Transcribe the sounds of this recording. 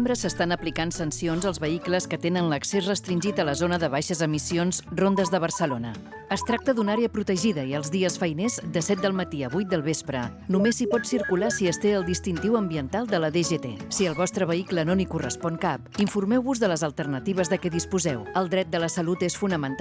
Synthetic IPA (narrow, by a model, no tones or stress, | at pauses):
mbɾəsəst̪anəplikansənsionzəlˠzβəikləskət̪enənləksezrəst̪ɾinʲʒit̪ələzonəðəβ̞ajʃəzəmisionzrond̪əzðəβ̞ərsəlonə | əst̪ɾak̚t̪əðunaɾeəpɾut̪əʒiðəiəlˠzðiəsfəjnezd̪əsɛt̪̚d̪əlˠmət̪iəβujt̪̚d̪əlˠβespɾə | numesipɔt̪siɾkulasiəst̪eəlˠd̪ist̪int̪iwəmbiənt̪alˠd̪ələðeʒet̪ḛsiəlˠβɔst̪ɾəβəiklənolikurə̰spɔŋkap̚iɱfurmɛwβuzðələzəlˠt̪ərnət̪iβ̞əzðəkɛðispuzɛwəlˠd̪ɾɛt̪̚d̪ələsəlut̪esfunəmənt̪